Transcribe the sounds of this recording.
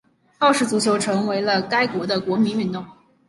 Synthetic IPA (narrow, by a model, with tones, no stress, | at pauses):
xɑ˥˧ʊʂɻ̩˥˩t͡su˧˥t͡ɕʰjo˧˥ʊʈ͡ʂʰɤ˧˥ŋwe˧˥ɪlə˧ka˥ɪkwɔ˧˥d̪ə˧kwɔ˧˥mi˧˥ny˥˧nt̪ʊ˥˩ŋ